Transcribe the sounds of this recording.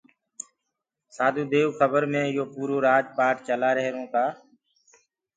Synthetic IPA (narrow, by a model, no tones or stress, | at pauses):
saːd̪ʱũːd̪eːʋkʰəbəɾmẽːɪjoːpuːɾoːɾaːd͡ʒpaːʈt͡ʃəlaːɾəɦɾõːkaː